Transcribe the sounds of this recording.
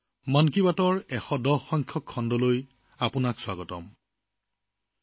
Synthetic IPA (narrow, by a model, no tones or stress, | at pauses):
mankibatɔɹɛxɔdɔxːɔŋkʰjɔkʰːɔndɔloj | apʊnakswaɡɔtɔm